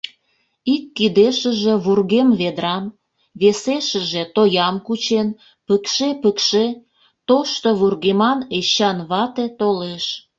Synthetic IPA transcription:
ikːid̪eʃə̆ʒeβurɣemβed̪ɾɑm | βeseʃə̆ʒet̪ojɑmkut͡ɕen | pəkʃepəkʃe | t̪oʃt̪oβurɣemɑneɕɑnβɑt̪et̪oleʃ

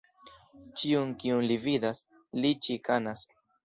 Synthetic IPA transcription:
t͡ʃiunkiunlividas | lit͡ʃikanas

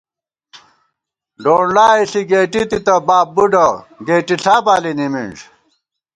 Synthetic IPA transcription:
ɖoːɳlaːiɬiɡeːʈit̪it̪ɐbaːbːuɖɐ | ɡeːʈiɬʰaːpaːlinimḭɳʐ

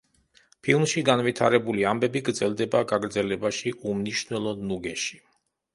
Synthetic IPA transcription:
pʰilˠmʃiɡanvit̪ʰaɾɛbuliambɛbiɡɾd̪zɛlˠd̪ɛbaɡaɡɾd̪zɛlɛbaʃiʔumniʃnwɛlˠɔnuɡɛʃi̥

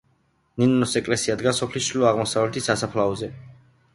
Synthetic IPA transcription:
ninɔnɔsɛkʼlɛsiad̪ɡasɔpʰlisʃɾilɔaʁmɔsavlɛt̪ʰisasapʰlaɔzɛ

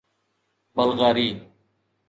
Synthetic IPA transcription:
bəlɣaːɾiː

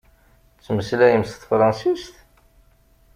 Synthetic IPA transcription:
t͡sːməslæjəmsθfɾˤɑnsist̪

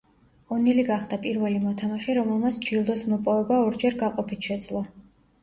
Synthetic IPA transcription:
ɔniliɡaχd̪apʼiɾvɛlimɔt̪ʰamaʃɛɾɔmɛlˠmat̪sʰd͡ʒilˠd̪ɔsmɔpʼɔvɛbaɔɾd͡ʒɛɾɡaqʼɔpʰit̪ʰʃɛd̪zlˠɔ

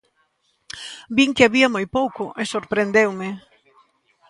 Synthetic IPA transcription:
biŋkɪaβiɐmojpowkoʔesoɾpɾend̪ewmɪ

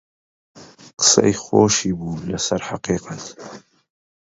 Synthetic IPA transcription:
qə̥sḛjxoʃiːbuːlɐsɐɾħaqiːqat̪

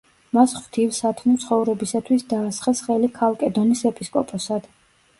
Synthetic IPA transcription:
masχwt̪ʰifsat̪ʰmnimt̪sʰχɔvɾɛbisat̪ʰwisd̪aːsχɛsχɛlikʰalˠkʼɛd̪ɔnisɛpʼiskʼɔpʼɔsad̪̥

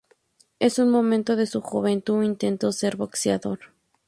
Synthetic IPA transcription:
e̞sunmomẽnt̪o̞ðe̞suxuβe̞nt̪uint̪ent̪o̞se̞ɾβo̞ksjaðo̞ɾ

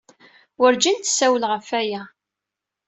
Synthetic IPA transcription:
wəɾd͡ʒint̪sæwəlʁəfæjæ

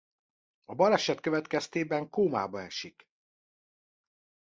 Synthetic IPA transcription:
ɒbɒlɛʃɛt̪køvɛt̪kɛst̪eːbɛŋkoːma̰ːbɒɛ̰ʃik

